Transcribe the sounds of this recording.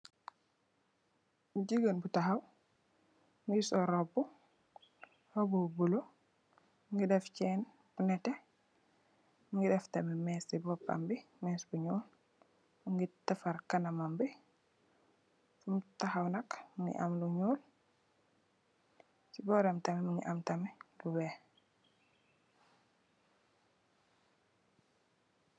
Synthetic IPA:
muɟiɡənbutaxɐw | ŋɡisɔɾɔbu | hɔbubulo | mŋɡidɛfcɛːn | b̥unɛtɛ | muŋɡidɛftɐmimɛsibɔpːa̰mbimɛsbuɲuːl | muŋɡitɐfɐɾkɐnɐmambi | fumtɐxɐwnɐkmuŋɡḭʔɐ̰mluɲuːl | sibɔɾɛmtɐmimuŋɡḭʔamtɐmiluwɛː

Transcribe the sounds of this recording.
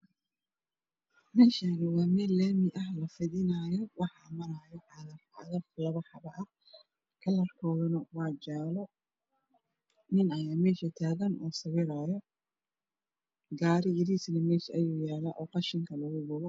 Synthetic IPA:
mɛːʃanɐwɑːmɛːlɛːmɪʔɐɦlɐfɪðɪnaːjɔwɑħɑːmɐɾaːjɔħɑðɐrħɑ̰ðɐflɐβɐħɑβɐʔɐ | kʰɐlɐrkʰɔːðʊnɐwɑːd͡ʒaːlɔ | nɪnɐjaːmɛːʃɐt̪ʰaːɣɐnʔɔːsɐwɪɾaːjɔ | ɡaːɾɪjɪɾisnɐmɛːʃɐjuːjaːlɐʔɔːqɑʃɪŋkʰɐlɐɣʊɡʊβɔ

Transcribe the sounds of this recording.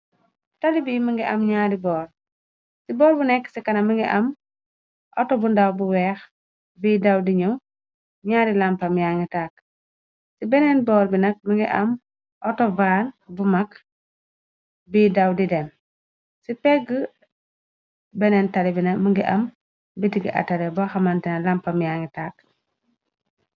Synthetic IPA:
tɐlibimiŋɡiʔɐ̰mɲaːdibɔːl | sibɔːlbunɛkːsikɐnɐmiŋɡiʔɐm | ʔɔtɔbundawbuwɛːx | bidawdiɲu | ɲaːdilampɐmjaŋɡitak | sibɛnɛnbɔːlbinɐk̚miŋɡiʔɐm | ʔɔtɔvaːlbumak | bidawdidɛm | sipɛɡə | bɛnɛntalibinɐmiŋɡiʔɐm | bitiɡḭʔa̰talɛbaxamantɛnɐlampɐmjaŋitaːk

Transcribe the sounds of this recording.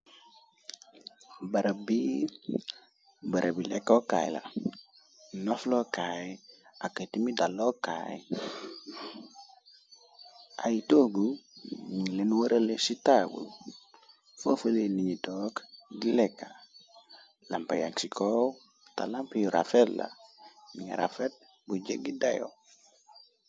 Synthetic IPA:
baɾabi | bəɾʔabilekːoka̰jḭla̰ | noflokajakətimidaloka̰ji | ajitoɡumiŋlenwaɾəlesitabṵl | fafəleliɲitokɡilekːa | lampaja̰ŋksikʰow | ta̰lampajuɾa̰fetla̰miŋa̰ɾa̰fet̚ | bud͡ʒeɡidajo̰

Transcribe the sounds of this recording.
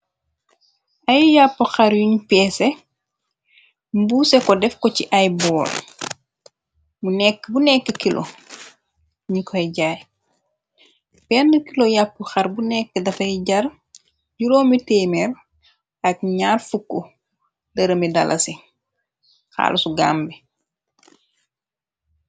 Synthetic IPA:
ɐjjapːəxɐɾjuɲpɛːse | mbusɛkɔdɛfkɔciʔɐjbɔːl | munɛkːbunɛkːəkilʔo̰ | ɲikʰɔjɟaːj | pɛnːəkilojapːəxɐɾbunɛkːədɐfɐɟɐɾ | ɟuɾɔːmiteːmɛɾ | ɐk̚ɲaːrfukːo | dɐɾɐmidɐ̰lʔɐ̰si | xa̰ːlʔɐsuɡa̰ːmbɛ

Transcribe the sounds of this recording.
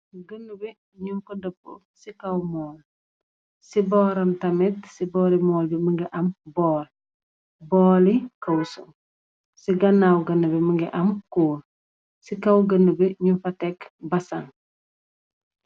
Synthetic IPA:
ɡənːubi | ɲunfɐdəpːə̰ | sikɐwmɔːl | sibɔːɾɐmtɐmɛtsibɔːlimɔːlbiməŋɡiʔɐmbɔːl | bɔːlikɐwsum | siɡɐnːawɡɐnəbiməŋɡiʔɐmkuːl | sikɐwɡənːəbiɲunfɐtɛkbɐsɐn

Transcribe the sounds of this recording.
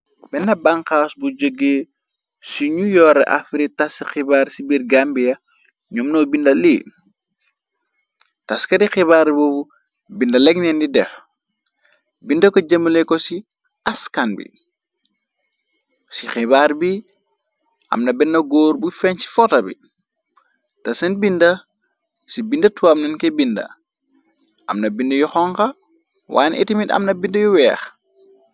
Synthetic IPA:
bɛnːɐbaŋxaːsbud͡ʒəɡːeː | siɲujɔɾɛ̰ʔa̰fiɾitasixibaːɾsibirɡambijɐ | ɲɔmnɔbindɐliː | taskɐdixiβaːɾbobu | bindɐlɛɡnɛndidɛf | bindɐkoɟəməlekɔsi | askanbḭ | sixibaɾbi | ʔɐ̰mnɐbɛnːɐɡoːɾbufɛnsi̥fɔtɐbḭ | tɐsɐnbindɐ | sibindɐtuamnɐnkɛbindɐ̰ | ʔɐ̰mnɐbindɐjuxɔŋkɐ | wʔa̰ːnḭtimitɐ̰mnɐbindɐjuwɛːx

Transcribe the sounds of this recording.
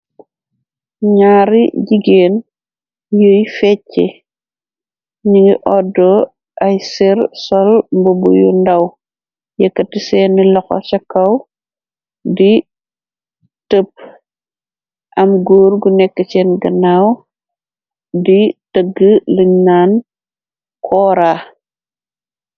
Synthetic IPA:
ɲaːɾḭɟiɡeːn | joːjfɛcːɛ̰ | ɲiŋɡiʔɔdɔ | ʔɐjsiɾsɔlmbubṵjṵndɐw | jɛkːɐtisɛːnilɔxɔ̰t͡ʃɐkːɐw | di | təp̚ | ʔɐmɡoːɾɡunɛkːət͡ʃɛnɡɐnaw | ditəɡːələɲnaːn | kʰɔːɾaː

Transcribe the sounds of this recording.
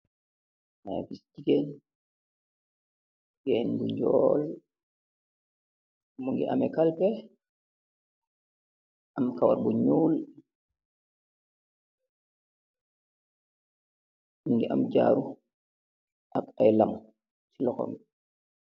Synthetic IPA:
afisd͡ʒiɡɛn | jɛnduɲd͡ʒɔːl | muŋɡɛ̰ʔamɛkalpɛ | ʔamkawaɾbɔɲuːl | muŋɡɛʔamd͡ʒa̰ːɾu | ʔakajlam | silɔkɔ̰mɛ

